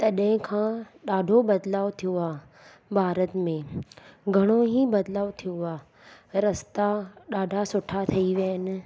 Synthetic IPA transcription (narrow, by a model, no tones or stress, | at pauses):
t̪ɐɗɦɪ̃kʰãː | ɗaːɖʱobɐd̪laːot̪ʰijoaː | bʱaːɾət̪mẽɡʱɐɽ̃oɦibɐd̪laːʋt̪ʰijoa | ɾɐst̪aɗaːɖʱasʊʈʰat̪ʰɐiʋjanɪ̆